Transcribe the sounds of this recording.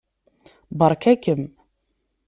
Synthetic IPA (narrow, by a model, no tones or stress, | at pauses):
bəɾˤkækəm